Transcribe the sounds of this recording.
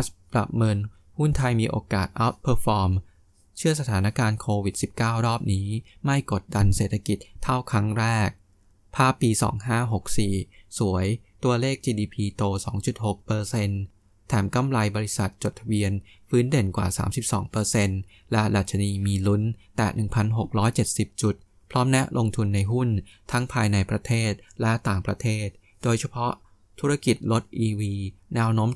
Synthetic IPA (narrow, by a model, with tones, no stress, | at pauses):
spɾa̰˨˩p̚ŋɤ˧n | hu˥˩nt̪ʰa˧jmiː˧ʔo̰ː˧kaː˨˩t̪̚ʔa˦˥t̪̚pʰəː˧fɔː˧m | t͡ɕʰɯ˥˩ɐs̬a˧t̪ʰaː˩˦na˦˥kaː˧nkʰoː˧wi˨˩t̪̚si˨˩p̚kaː˥˩wɾɔː˥˩p̚niː˦˥ma˥˩jko˨˩t̪̚da˧nseː˨˩t̪ʰa˧ki˨˩t̪̚ʰːa˥˩wkʰɾa˦˥ŋɾɛː˥˩k̚ | pʰaː˦˥˩pːiː˧sɔ̰ː˩˦ŋɦaː˥˩ɦo˨˩k̚siː˨˩su˩˦əjt̪u˧ɐleː˥˩k̚t͡ɕiː˧diː˧pʰiː˧t̪oː˧sɔ̰ː˩˦ŋt͡ɕu˨˩t̪̚ho˨˩k̚pɤː˧se˧n | t̪ʰɛː˩˦mka˥˩mɾa˧jbɔː˧ɾi˦˥sa˨˩t̪̚t͡ɕo˨˩t̪ʰːa˧bi˧ənfɯː˦˥nde˨˩nkwa̰ː˨˩sa̰ː˩˦msi˨˩p̚sɔ̰ː˩˦ŋpɤː˧se˧n | lɛ˦˥da˨˩t̪̚t͡ɕʰa˧niː˧miː˧lu˦˥nt̪ɛ̰˨˩nɯ˨˩ŋpʰa˧nɦo˨˩k̚ɾɔː˦˥jt͡ɕe˨˩t̪̚si˨˩p̚t͡ɕu˨˩t̪̚ | pʰɾɔː˦˥mnɛ˦˥ʔlʔo˧ŋt̪ʰu˧nːa˧jɦu˥˩nt̪ʰa˦˥ŋpʰaː˧jna˧jpɾa˧t̪ʰeː˥˩t̪̚lɛ˦˥t̪aː˨˩ŋpɾa˧t̪ʰeː˥˩t̪̚ | doː˧jt͡ɕʰa˧pʰɔ˦˥ʔ | t̪ʰu˦˥ɾa˥˧˩ki˨˩t̪̚lo˦˥t̪̚ʔiː˧wiː˧nɛ˦˥wnoː˦˥m